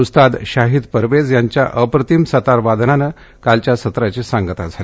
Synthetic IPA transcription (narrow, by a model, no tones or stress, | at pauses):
ust̪ad̪ɕaɦid̪pəɾʋed͡zjaɲt͡ɕjaʔəpɾət̪imsət̪aɾʋad̪nanə | kalt͡ɕjasət̪ɾat͡ɕesãŋɡət̪ad͡zʱale